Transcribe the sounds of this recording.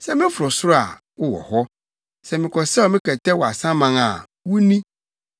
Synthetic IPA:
sɛ˦mɪ̃˦fʊ˨ɾɔ˨sʊ˦ɾa̰˨ | wʊ˦wɔ̰˨hɔ˦ | sɛ˨mɪ̃˨kʰɔ˨sɛ˦ɔ˨mɪ̃˦kʰɛ˨tʰɛ˦wɔ˨a˨sã˦mã˦ŋa̰˨ | wu˦nĩ˦

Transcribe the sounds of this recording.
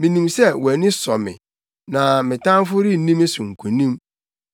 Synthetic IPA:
mĩ˨nĩ˨msɛ˦wæ˨nɪ̃˦sɔ˨mɪ̰̃˨ | nã˨mɪ̃˨tã˦n˦fʊ˦ɾi˦nĩ˦me˦sʊ̃˨ŋ̩˨kʷʰu˨nĩ˦m

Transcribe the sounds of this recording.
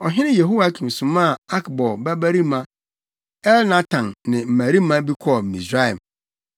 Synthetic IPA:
ɔ˨ɦɪ̃˦nɪ̃˦je˨ɦo˦a˨˦kʰĩ˨m˨sʊ̃˨mã˦˨a˦kbɔ˨bæ˦bæ˦ɾi˦mã˦ | ɛ˦lnã˦tʰã˨nnɪ̃˨m̩˨mæ̃˨ɾi˦mã˦bi˦kʰɔ˦˨m̩˨ḭ̃˨sɾa˦ɛ˨m

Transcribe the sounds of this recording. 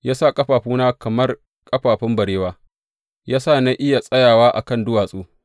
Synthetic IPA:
jaː˦sa˦˨kʼɐ˦ɸaː˨ɸuː˦naː˦kɐ˨mɐ˦r | kʼɐ˦ɸaː˨ɸɪ˦mbɐ˨ɽeː˦waː˦ | jaː˦saː˦˨na˦ʔɪ˦ja˨sʼɐ˦jaː˨waː˦ʔa̰˨kɐ˦˨ndʊ˦waː˨sʼuː˦

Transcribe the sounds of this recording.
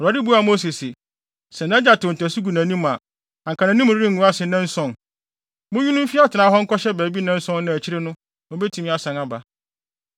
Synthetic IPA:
a˨dɪ˦bu˦a˨mo˦s̬i˨sɪ˨ | sɛ˨nã˦d͡ʑa˨tʊ˨n̩˨tʰæ˨su˦ɡu˨næ̃˨nĩ˦m˨a˨ | ã˨ŋ˨kʰã˨nã˨nĩ˦mʊ˨ɾi˦ɾi˦ŋ˨ũ˨˦a˦sɪ˨nɛ̃˦n̩˦sɔ̃˨n | mʊ̃˦ji˦nʊ̃˦m̩˦fi˦a˦tʰɪ˨nã˨˦ɦɔ˦ŋ̩˦kɔ˦ɕɛ˦bæː˨bi˦nɛ̃˦n̩˦sɔ̃˦nː˦ã˨æ˨t͡ɕʰi˦ɾɪ˦nʊ̃˦ | mʊ̃˦be˦tʰũ˨mĩ˦a˨sã˨ŋa˨ba˨

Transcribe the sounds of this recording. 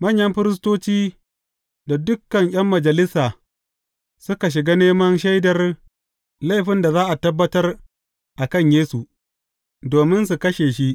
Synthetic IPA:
mɐ˦ɲjɐ˦mɸɪ˦ɾɪ˦s̬toː˦t͡ʃiː˦ | da˨dʊ˦kːɐ˨ŋʔʲj̰ɐ˦mːɐ˨d͡ʒɐ˨lɪ˦saː˨ | sʊ˦ka˨ʃ̬ɪ˨ɡaː˦neː˦mɐ˦nʃɐ˦jdɐ˨r | la˦˨jɸɪ˦nda˨zaː˦ʔa˨tɐ˦bːɐ˦tɐ˦r | ʔa˨kɐ˦˨ɲjeː˦su˨ | doː˨mɪ˦nsu˨kɐ˦ʃeː˨ʃi˦ʔ

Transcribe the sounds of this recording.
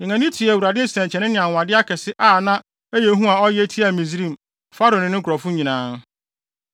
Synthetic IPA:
ɪ̃˨ŋã˨nɪ̃˦tʰi˨æ˨wu˨ɾa˨dɪ˦sɛ̃˨t͡ɕʰɛ̃˨nɪ̃˦nɪ̃˨ã˨wa˨dɪ˦a˦kʰɛ˨sɪ˦ʔaː˦˨nã˦ | æ˦je˨˦ɦũ˦a˨ɔ˦jɛ˦tʰi˦a˨mĩ˨zɾĩ˦˨m | fa˦ɾo˨nɪ̃˨nɪ̃˦kʰɔ˨fʊ˦ɲĩ˨nãː˦

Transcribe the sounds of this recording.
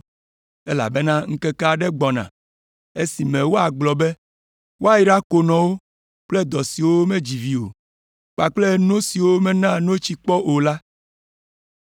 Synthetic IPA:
e˦la̰˨be˦nã˦ŋ̩˦kɛ˦ka˦˨ɖɛ˦ɡ͡bɔ˨nã̰˨ | e˦si˨mɛ̃˨wo˦a˨ɡ͡blɔ˨bɛ˦ | wo˦a˨ji˦ɖa˦ko˨nɔ̃˨wo˦ | k͡plɛ˦d̪ɔ˨si˨wo˦mẽ˦d͡ʑi˨vi˨o̰˨ | k͡pa˨k͡ple˦nõ˦si˨wo˦mɛ̃˦nã˦nõ˦t͡ɕi˦k͡pɔ˦ʔo˨la˦

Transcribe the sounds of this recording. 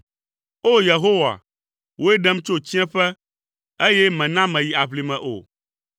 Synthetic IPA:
o˦je˨ɦo˦wa̰˨ | wo˦e˦ɖɛ˦m˦t͡ʃo˦t͡ɕi˦ɛ̃˦ɸɛ˦ | e˦jɛ˦mɛ̃˨nã˦mɛ̃˨ji˨a˨ɸli˨mɛ̃˨ʔo̰˨

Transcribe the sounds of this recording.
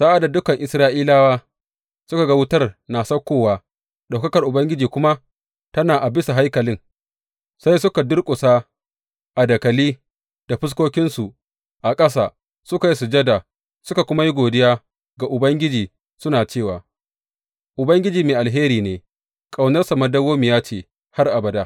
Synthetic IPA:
sa˦ʔa˦da˨dʊ˦kɐ˨ŋʔɪ˨sɾaː˦ʔiː˦laː˦waː˦ | sʊ˦ka˨ɡɐ˦wʊ˦tɐ˦rnaː˨sɐ˦kʷːoː˦˨waː˨ | ɗa˨wkɐ˦kɐ˨rʔʊ˨bɐ˦ŋɡʲɪ˦d͡ʒiː˨kʷʊ˦ma˦ | tɐ˦naː˨ʔa˨bɪ˦sa˨ɦa˦jkɐ˨lɪ˦ŋ | sa˦jsʊ˦ka˨dʊ˦rkʷʼʊ˨sa˦ | ʔa˨dɐ˨kɐ˨liː˦ | d̥a˨ɸɪ˦s̬kʷoː˦kʲɪ˦nsu˨ | ʔa˨kʼɐ˦s̬aː˨ | sʊ˦ka˨ji˦su˨d͡ʒɐ˦da˨ | sʊ˦ka˨kʷʊ˦ma˦ji˦ɡʷoː˨dɪ˦jaː˦ | ɡa˨ʔʊ˨bɐ˦ŋɡʲɪ˦d͡ʒiː˨ | sʊ˦naː˨t͡ʃeː˦˨waː˨ | ʔʊ˨bɐ˦ŋɡʲɪ˦d͡ʒiː˨meː˨ʔa˨lɦeː˦ɾiː˨neː˨ | kʼa˨wnɐ˦rsa˨mɐ˦dɐ˦woː˦mɪ˨jaː˦t͡ʃeː˨ | ha˦rʔa˨bɐ˨da˦

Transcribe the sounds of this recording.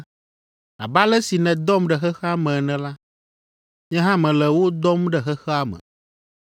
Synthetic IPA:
a̰˨ba˦lɛ˦si˨nɛ̃˨d̪ɔ˦mɖɛ˨xɛ˦xɛ˦a˦mɛ̃˨nɛ̃˨la˦ | ɲɛ̃˦ɦã˦mɛ̃˨lɛ˨wo˦d̪ɔ˦mɖɛ˨xɛ˦xɛ˦a˦mɛ̰̃˨

